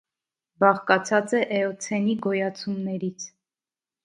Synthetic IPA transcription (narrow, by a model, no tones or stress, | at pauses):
bɑχkɑt͡sʰɑt͡sɛʔɛɔt͡sʰɛniɡɔjɑt͡sʰumnɛɾit͡sʰ